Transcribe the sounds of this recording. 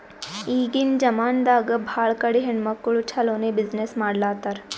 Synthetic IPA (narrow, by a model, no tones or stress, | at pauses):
iːɡind͡ʒɐmaːnd̪aːɡəbʱaːɭkɐɽiɦeɳmɐkːuɭut͡ʃʰɐloːnebiznesmaːɽlaːt̪aɾ